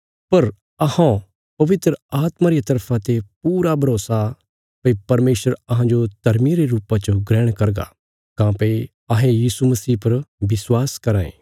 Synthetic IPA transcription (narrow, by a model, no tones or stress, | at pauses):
pɐɾ | ɐhã | pɐʋɪt̪ɾəaːt̪maɾijat̪ɐɾpʰãt̪epuːɾabʱɐɾoːsa | pɐipɐɾmeːʃəɾɐɦãd͡ʒot̪ɐɾmiɾeɾuːpat͡ʃɡɾɛːɽ̃kɐɾɡa̰ | kãːpe | ɐɦẽjiːsumɐsiːpɐɾbɪswaːskɐɾãːḛ̃ː